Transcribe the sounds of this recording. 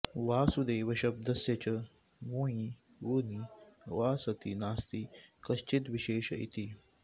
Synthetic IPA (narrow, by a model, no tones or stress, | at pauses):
ʋaːsud̪eːʋɐʃɐb̚d̪ɐsjɐt͡ɕɐ | mũːjĩ | ʋuniʋaːsɐt̪inaːst̪ikɐst͡ʃit̪ʋiʃeːʃɐḭt̪i